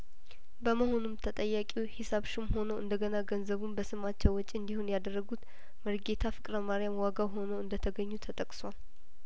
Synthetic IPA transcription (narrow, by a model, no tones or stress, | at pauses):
bəməho̞numt̪ʰət̪ʼəjːakʼiwhɪsaβʃumho̞nəwʔɨ̰nd̪əɡənaɡənzəβumbəsɨmat͡ʃːɛwɔt͡ʃʼːiɨnd̪ihunjad̪ərːəɡut̪ | məɾɡe̞t̪ʰafɨkʼɾəmaɾijamwaɡawɦo̞nəwɨnd̪ət̪ʰəɡəɲːut̪ʰət̪ʼəkʼswal